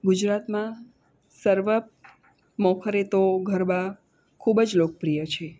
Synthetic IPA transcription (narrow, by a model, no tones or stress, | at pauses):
ɡud͡ʒɾat̪mã | səɾʋə | mɔkʰəɾet̪oɡʱəɾba | kʰubəd͡ʒlokəpɾijət͡ʃʰe